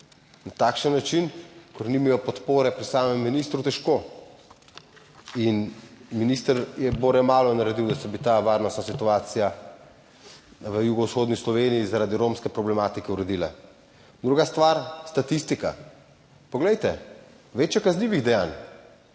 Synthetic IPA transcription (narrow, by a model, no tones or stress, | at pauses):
nat̪aːkʃənːat͡ʃinkɔɾnimijɔpɔt̪poːɾɛpɾisaːmɛmːinist̪ɾut̪ɛʃko | inminist̪əɾjɛboːɾɛmaːlɔnaɾɛd̪iwd̪asɛbit̪aʋaɾnɔst̪nasit̪uaːt̪sija | ʋəjuɡɔwsxoːd̪nislɔʋeːnijizaɾaːd̪iɾomskɛpɾɔblɛmaːt̪ikɛuɾɛd̪iːla | d̪ɾuɡast̪ʋaɾst̪at̪ist̪ika̰ | pɔɡlɛjt̪ɛ | ʋeːt͡ʃjɛkazlʲiːʋiɣd̪ɛjaːn